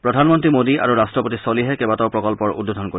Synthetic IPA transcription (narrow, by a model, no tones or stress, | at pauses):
pɹɔdʱanmɔntɹimodiʔa̰ɹuɹastɹɔpotisoliɦɛkɛbatɔʊpɹɔkɔlpɔɹudodʱɔnkoi